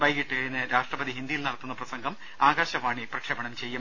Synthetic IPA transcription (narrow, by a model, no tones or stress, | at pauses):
bɐjɣiʈːɨkɐjinːɨɾaːʂʈrɐbɐd̪ʱiɦind̪ijilnɐɽɐt̪ːunːɐprɐsɐŋɡʱɐm | aːɡaːɕɐʋaːɳiprɐkʂeːbɐɳɐmt͡ɕe̞jːum